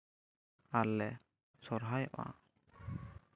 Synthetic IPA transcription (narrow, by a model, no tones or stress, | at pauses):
aɾlɛ | sɔɾɦajɔ̰ʔã̰